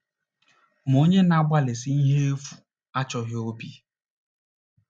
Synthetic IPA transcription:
m̩˨o˦ɲe˦na˦ɡ͡ba˦le˨si˦i˦ɦe˦e˦fu̥˨ | a˦t͡ʃɔ˨ɦjo˦pi˦

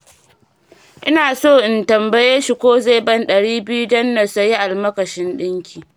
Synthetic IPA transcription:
ʔɪ̰˦naː˨soː˦˨ʔɪ˨ntɐ˨mbɐ˦jɛ˦ʃi˨kʷoː˦ze˦˨bɐ˦nɗɐ˨ɽiː˦bɪ˦ju˦dɐ˦nːɐ˨sɐ˨ji˦ʔa˨lmɐ˦kɐ˨ʃɪ˦nɗɪ˦ŋkʲiː˨

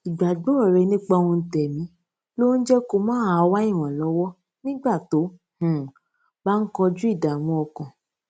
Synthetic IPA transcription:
i˨ɡ͡ba˨ɡ͡bɔ˦˨ɾɛ˨˧nĩ˦k͡pa˧w̃ɔ̃˧n̩˨tɛ˨mĩ˨˦ | lo˦n̩˦d͡ʒɛ˦ko˧mãː˦a˧wa˦i˦˨w̃ɔ̃˨lɔ˨˧˦wɔ˦ | nĩ˦ɡ͡ba˦˨to˨˦ | h̩˦˨ | ba˦n̩˦kɔ˧d͡ʒu˦i˦˨da˨w̃ɔ̃˧ɔ˧kã˨

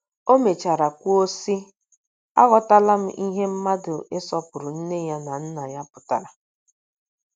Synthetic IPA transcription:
o˦me˨t͡ʃa˨ɾa˨kʷu˦o˦si˦ | a̰˦ɣɔ˦ta˦la˦m̩˦ʔi˦ɦe˦m̩˦ma˦dʊ˨e˦sɔ˦pʊ˨ɾʊ˨n̩˦ne˦ja˦na˨n̩˦na˨ja˦pʊ̥˨ta˨ɾa˨

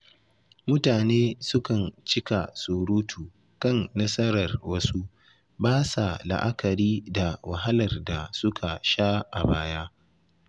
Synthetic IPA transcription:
mʊ˦taː˨neː˦sʊ˦kɐ˨nt͡ʃɪ˦ka˨sʊ˨ɾuː˦tʰuː˨ | kɐ˦˨nːɐ˦sɐ˦ɾɐ˨rwɐ˦su˦ | baː˦sa˨la̰˨ʔa˦kɐ˨ɾiː˦da˨wa˨ɦa˦lɐ˨rda˨sʊ˦kʰa˨ʃaː˦ʔa̰˨baː˦jaː˦

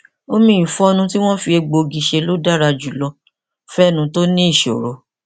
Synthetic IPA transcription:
o˦mĩ˨ĩ˨fɔ˦o˧nũ˧ti˦w̃ɔ̃˦fi˧e˧ɡ͡bo˧ɡi˨˧ʃe˧lo˦da˦ɾa˧d͡ʒu˨lɔ˧ | fɛ˦˨nũ˨˧to˦nĩ˦i˦˨ʃo̰˨ɾo˨˦

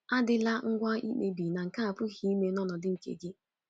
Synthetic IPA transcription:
a˦dɪ˦la˦ŋ̩˦ɡʷa˦i˦k͡pe˦bi˨na˨ŋ̩˨ka˦a˨pʊ˦hi˦i˦me˦nɔ˦nɔ˨dɪ˦ŋ̩˨kḛ˨ɡi˦

